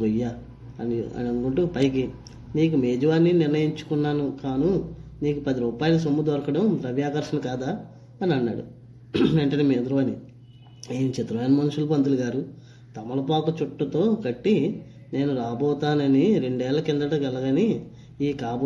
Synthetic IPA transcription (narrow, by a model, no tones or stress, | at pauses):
ɐja | ɐniɐ̰niɐnːukuɳʈupɐjk̬i | niːkume̞ːd͡ʒɐʋaːnːinɪɾnɐjiɲt͡ʃu̥kunːaːnukaːnuniːkupɐd̪iɾuːpaːjɐlɐs̬omːud̪ɔɾɐkɐɽɐmɾɐʋjaːkɐɾʃɐnukaːd̪aː | ɐniɐnːaːɽṵ | ʋeɳʈɐneːmed̪ɾuʋɐni | eːnit͡ʃɐt̪ɾɐʋɐːnɐmɐnuʂulɐpɐnt̪uluɡaːɾu | t̪ɐmːɐlɐpaːkut͡ʃuʈːut̪o̞ːkɐʈːi | ne̞ːnuɾaːbɔːt̪aːnɐniɾe̞ɳɖɛːlːɐkind̪ɾɐʈɐːɡɛlɐɡɐni | iːkaːb